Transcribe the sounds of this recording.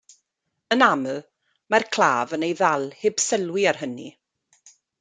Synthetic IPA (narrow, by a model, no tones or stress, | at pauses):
ənamə | markʰl̥aːvənejðɛlˠheːb̥sɛlwiarɦənḭ